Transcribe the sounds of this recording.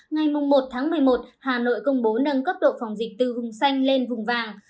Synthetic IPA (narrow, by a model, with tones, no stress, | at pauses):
ŋa˨˩jmʊ˨˩ŋ͡mːo˨˩t̚t̪ʰaː˨˦ŋmɨ˨˩əjmo˨˩t̚haː˨˩no̰˧˨jkə˧wŋ͡mɓo˨˦nə˧nkə˦˥p̚ɗo̰˧˨fa˨˩wŋ͡mzï˨˩k̟̚t̪ɨ˨˩vʊ˨˩ŋ͡msa˧jŋ̟le˧nvʊ˨˩ŋ͡mvaː˨˩ŋ